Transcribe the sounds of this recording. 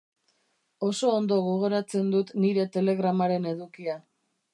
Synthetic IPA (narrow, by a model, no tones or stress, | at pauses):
o̞so̞ːnd̪oɣo̞ɣ̞o̞ɾat͡se̞nd̪ut̪niɾe̞t̪e̞le̞ɣɾamaɾe̞ne̞ðukia